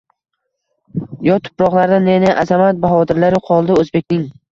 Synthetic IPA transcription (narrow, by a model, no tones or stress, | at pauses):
jɒt̪ʰʊ̥pɾɒʁlˠaɾd̪anenɪʔazamat̪̚baχɒt̪ɪɾlaɾɪqʰɒlˠd̪ɪɵzbe̞k̚ʲnɪŋ